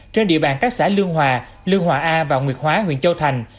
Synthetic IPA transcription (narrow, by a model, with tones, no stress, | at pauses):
t͡ɕe˧nɗḭ˧əɓaː˨˩nkaː˦˥k̚saː˧˩lɨ˧əŋɦwaː˨˩ | lɨ˧əŋɦwaː˨˩ʔaː˧vaː˨˩wŋwi˨˩ət̚ɦwaː˨˦ɦwḭ˧˨ənt͡ɕə˧wt̪ʰa˨˩jŋ̟